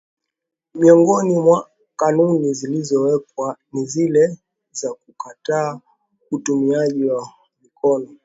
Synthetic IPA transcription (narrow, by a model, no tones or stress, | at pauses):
miɔŋɡɔnimwa | kanunizilizɔwɛkwanizilɛ | zakukataː | utumiaʄiwa | mikʰɔnɔ